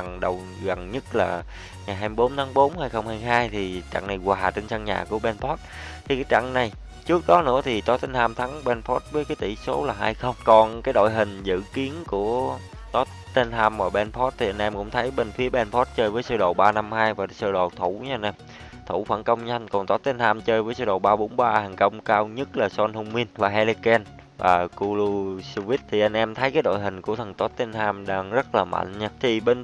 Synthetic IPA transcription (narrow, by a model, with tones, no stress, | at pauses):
a˨˩ŋɗə˨˩w | ɣa˨˩ŋɲɨ˦˥t̚laː˨˩ | ŋa˨˩jɦaː˧mi˧˩ɓo˨˦nt̪ʰaː˨˦ŋɓo˨˦nhaː˧jxə˧wŋ͡mhaː˧jɦaː˧jt̪ʰi˨˩t͡ɕa̰˧˨ŋna˨˩jɣwaː˨˩t͡ɕe˧nsa˧ŋɲa̰ː˨˩ku˧˩əɓɛ˧npʰɔ˦˥t̚ | t̪ʰi˨˩kaː˨˦jt͡ɕa̰˧˨ŋna˨˩j | t͡ɕɨ˦˥ək̚ɗɔ˨˦nɨ̰˧˥ət̪ʰi˨˩t̪ɔ˨˦t̪e˧nhaː˧mt̪ʰa˨˦ŋɓɛ˧npʰɔ˦˥t̚vəː˨˦jkaː˨˦jt̪ḭ˧˩so˨˦laː˨˩ɦaː˧jxə˧wŋ͡mkɔ˨˩nkaː˨˦jɗo̰˧˨jɦï˨˩ŋ̟zɨ̰˧˨ki˨˦ənku˧˩ə | t̪ɔ˨˦ | t̪e˧nhaː˧mmaː˨˩ɓɛ˧nfɔ˦˥t̚t̪ʰi˨˩ʔa˧ŋʔɛ˧mkʊ̰˧˥ŋ͡mt̪ʰə˨˦jɓe˧nfi˨˦əɓɛ˧nfʰɔ˦˥t̚t͡ɕəː˧jvəː˨˦jsɨ˧ɗo̰˧˨˩wɓaː˧na˧mhaː˧jvaː˨˩sɨ˧ɗo̰˨˩t̪ʰu˧˩ɲa˧ʔa˧nʔɛ˧m | t̪ʰu˧˩fa̰˧˩ŋkə˧wŋ͡mɲa˧jŋ̟kɔ˨˩nt̪ɔ˨˦˥t̚t̪e˧nhaː˧mt͡ɕəː˧jvəː˨˦jsɨ˧˩ɗo̰˨˩wɓaː˧ɓo˨˦nɓaː˧haː˨˩ŋkə˧wŋ͡mkaː˧wɲə˦˥t̚laː˨˩sɔ˧nhu˧ŋ͡mmi˧nvaː˨˩hɛ˧li˧kɛ˧n | va̰ː˨˩ku˧lu˧su˧vi˦˥t̚t̪ʰi˨˩ʔa˧jŋ̟ʔɛ˧mt̪ʰə˨˦jkaː˨˦jɗo̰˧˨jɦï˨˩ŋ̟ku˧˩ət̪ʰə˨˩ŋt̪ɔ˨˦˥t̚t̪e˧nhaː˧mɗaː˧ŋzə˦˥t̚laː˨˩ma̰˧˨ŋ̟ɲaː˧t̪ʰi˨˩ɓe˧n